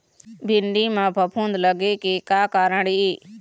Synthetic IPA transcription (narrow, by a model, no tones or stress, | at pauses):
bʱɪnɖiːmãːbʱəpʰuːnd̪ləɡeːkekaːkaːɾəɽiiː